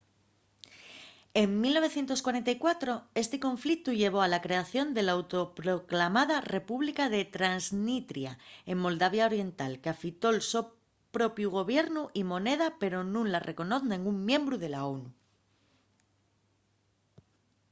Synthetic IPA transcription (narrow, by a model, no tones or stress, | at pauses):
e̞ŋmilno̞βe̞θjent̪o̞skwaɾe̞nt̪aikwat̪ɾo̞e̞st̪e̞ko̞ɱflik̚t̪uʝe̞β̞o̞alakɾe̞aθjo̞nd̪e̞laawt̪o̞pɾo̞klamaðare̞puβlikaðe̞t̪ɾanznit̪ɾja̰e̞mːo̞ld̪aβ̞jao̞ɾje̞nt̪alkeafit̪o̞lso̞ | pɾo̞pjuɣ̞o̞βje̞ɾnuʔimo̞ne̞ðape̞ɾo̞nũnlarʔe̞ko̞no̞θnĩŋɡummjẽ̞mbɾuð̞e̞laonu